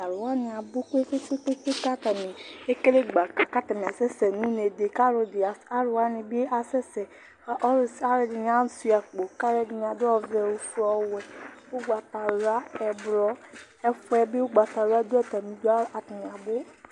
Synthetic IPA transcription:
a˨ɾo˨wa˦nĩ˨a˨bo˦ke˦fe˦se˦k͡pe˦k͡pe˦ka˦t̪a˨mi˨e˦ke˦le˦ɡ͡ba˨ka˨ka˦t̪a˨m˨a˨sɛ˦sɛ˨nũ˦ne˨de˨ka˦ɾo˨di˨a˨a˦ɾo˨wa˦nĩ˨be˦ʔa˨sɛ˦sɛ˨˦˨ | a˦ɾɛ˨di˨ɲ˨˦a˦su˦ja˨k͡po˨ka˦ɾɛ˦di˨ɲ˨a˨do˦ɔ˦vɛ˨wo˨fɔ˦wɛ˨wo˦ɡ͡ba˨ta˨ɾa˦ɛ˨bɾɔ˦ | ɛ˦fɔ˦ɛ˨be˦wo˦ɡ͡ba˨t̪a˨ɾo˦a˦d̪o˦ɛ˦t̪a˨mĩ˨do˦a˦a˨ta˨mĩ˨a˨bo˦

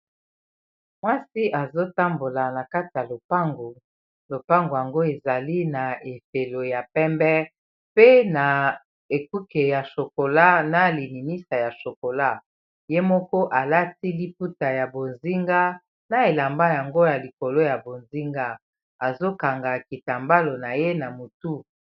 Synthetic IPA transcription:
mwa˦si˦ʔa˨zo˦ta˦mbo˨la˨na˨ka˦ti˨ja˨lo˨pa˦ŋɡo˨ | lo˨pa˦ŋɡo˨ja˨ŋɡo˦e˨za˨li˦na˨e˨fe˨lo˨ja˨pɛ˦mbɛ˦ | pe˦na˨ | e˨ku˦ke˨ja˨ʃo˨ko˨la˦na˨li˨mi˨ni˦sa˨ja˨ʃo˨ko˨la˦ | je˦mɔ˦kɔ˦ʔa˨la˦ti˦li˦p̚u˦ta˨ja˨bo˨nzi˦ŋɡa˦ | na˨e˨la˨mba˦ja˨ŋɡo˦ja˨li˨ko˨lo˦ja˨bo˨nzi˦ŋɡa˦ | a˨zo˦ka˨ŋɡa˨ki˨ta˨mba˦lo˨na˨je˦na˨mo˨tu˦

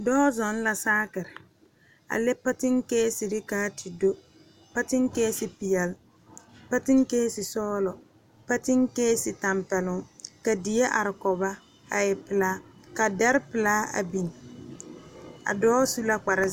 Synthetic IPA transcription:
dɔː˦zɔ˨n˦la˨saː˦kɪ˨ɾɪ˨ | a̰˨lɛ˦pa˦tɪ˦ŋkeː˦si˨ɾɪ˦kaː˦tʰi˨do˦ | pa˦tɪ˦ŋkeː˦sɪ˨pɪ˨jɛ˨l | pa˦tɪ˦ŋkeː˦sɪ˨sɔː˦lɔ˨ | pa˦tɪ˦ŋkeː˦sɪ˨ta˨mpɛ˨lʊ˨ŋka˨di˨jɛ˦ʔa˨ɾɪ˨kɔ˨ba˦ | a˨jɛ˨pɪ˨laː˦ka˨da˦ɾɪ˦pɪ˨laː˦a̰˨bi˨n˨ | a̰˨dɔː˦su˦la˦k͡pa˨ɾa˦

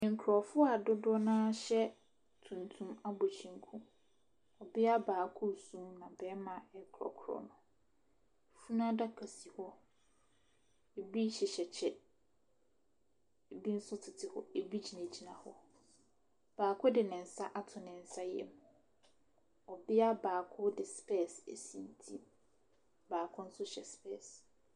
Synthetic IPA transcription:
nɪ̃˨ŋ̩˨kʰɾɔ˨fʊ˦a˨dʊ˦dɔ˦nãː˦ɕɛ˦ | tʰũ˨ntʰũ˦ma˦bo˨t͡ɕʰĩ˦˨ŋ˦kʰũ˦ | ɔ˨bɪ˦a˦baː˨kʰʊ˦˨sũː˦nã˨bɛː˦mã˨ɛ˦kʰɾɔ̰˨kʰʊ˨ɾɔ̰˨nʊ̃˨ | fu˦nã˦da˦kʰa˨si˨hɔ˦ | e˨bi˦ɕɪ˨ɕɛ˨t͡ɕʰɛ˨ | e˨bi˦n̩˦sʊ˦tʰɪ˨tʰɪ˨hɔ̰˦˨e˨bi˦d͡ʑʰi˨næ̃˨d͡ʑi˦nã˨hɔ̰˦ | b̥aː˨kʰʊ˦dɪ˨nɪ̃˨n̩˨sa˦ʔa˦tʰʊ˨nɪ̃˨n̩˨sa˦jɛ̰˦˨m | ɔ˨bɪ˦a˦baː˨kʰʊ˦dɪ˨spʰɛ˦˨sḛ˨sĩ˨ntʰĩ˦m | baː˨kʰʊ̃˦n̩˦sʊ˦ɕɛ˨spʰɛ˦˨s

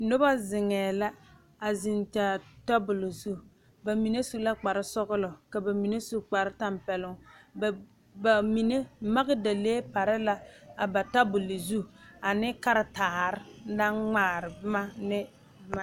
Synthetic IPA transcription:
nʊ˦ba˦zɪ˨ŋɛː˨la˦ | a˨zɪ˨nta˨tɔ˦bʊ˨lɪ˨zu˦ | ba˨mi˨ne˦su˦la˦k͡pa˨ɾɪ˦sɔ˦ɣʊ˦lʊ˨ka˨ba˨mi˨ne˦su˦k͡pa˨ɾɪ˦ta˦mpɛ˨lʊ˦ŋ˨ | ba˨mi˨ne˦ma˦ɡɪ˦da˨leː˦pa˨ɾɪ˦la˦a˨ba˨ta˦bʊ˨lɪ˨zu˦a˨nɪ˦ka˦ɾɪ˦taː˨ɾɪ˦na˦ŋ͡maː˦ɾɪ˨bma˦nɪ˦ | ma˨

